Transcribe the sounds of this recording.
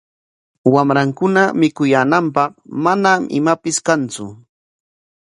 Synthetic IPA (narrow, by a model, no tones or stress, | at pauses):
wamɾaŋkʊnamɪkʊjaːnampɑχmanamɪ̰mapɪskant͡sʊ̰